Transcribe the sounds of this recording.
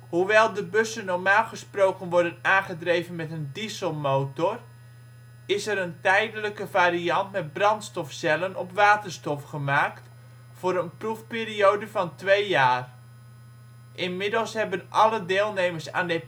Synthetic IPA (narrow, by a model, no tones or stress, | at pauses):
huʋɛlˠdəbɵsənːɔrmaːlˠχəsprowkənʋɔɹdənaːnχədrejvənmɛtəndisəlˠmoːtɔr | ɪsəɾəntɛjdələkəvaːɾiɑntmɛtbrɑntstɔfsɛlənɔpʋaːtərstɔfχəmaːkt | fʊːɾənprufpeːriowdəvɑntʋejjaːr | ʔɪnmɪdəlˠsɦɛbənʔɑlədɪːlˠnejməsa̰ːndə